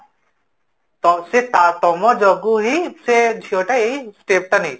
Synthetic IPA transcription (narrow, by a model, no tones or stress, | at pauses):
t̪ɔset̪at̪ɔmɔd͡ʒɔɡuɦised͡ʒʱioʈaisʈeːp̚ʈɐni